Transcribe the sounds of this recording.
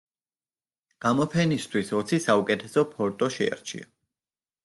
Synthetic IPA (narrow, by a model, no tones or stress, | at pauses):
ɡ̥amɔpʰɛnist̪ʰwisɔt̪sʰisaukʼɛt̪ʰɛsɔpʰɔɾt̪ʼɔʃɛ̰a̰ɾt͡ʃʰḭa